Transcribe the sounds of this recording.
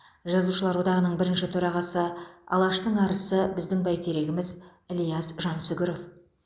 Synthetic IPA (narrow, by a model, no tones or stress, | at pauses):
ʒɑzuʃəlˠɑɾwo̞d̪ɑʁənəɴbɪɾɪnʃɪt̪ʰɵɾɑʁɑsəɑ̰lˠɑʃt̪əɴɑɾəsəbɪzd̪ɪŋbæjt̪ʰeɾe̞ɡʲɪmɪz | ɪlˠijɑsʒɑnsʏɡʲɪɾo̞f